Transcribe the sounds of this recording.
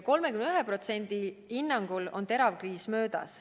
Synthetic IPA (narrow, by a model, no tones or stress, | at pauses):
ko̞lmekymnyɦɛpro̞t̪se̞nʲd̪̥ihinːɑŋɡ̥ulo̞̰nt̪e̞ɾɑvkriːsmø̞ːd̪̥ɑ̰s